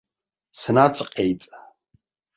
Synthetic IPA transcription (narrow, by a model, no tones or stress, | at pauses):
snat͡sʼqʼejtʼ